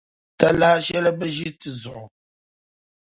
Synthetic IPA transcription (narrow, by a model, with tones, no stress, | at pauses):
ta˦la˦ʃɛ˦lə˦bə˦ʒi˦ti˨zɔ˨